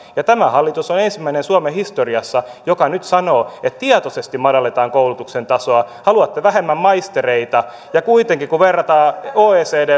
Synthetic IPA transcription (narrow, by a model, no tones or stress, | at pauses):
jɑt̪æmæhɑlːit̪usonensimːæinensuɑmehist̪oriɑsːɑjokɑnyt̪sɑnoːet̪t̪iɑt̪osest̪imɑdɑlːet̪ɑːŋkoulut̪uksent̪ɑsoɑhɑluɑt̪ːeʋæhemːæmmɑist̪ereit̪ɑ | jɑkuit̪eŋkikuʋerːɑt̪ɑːoːeːseːdeː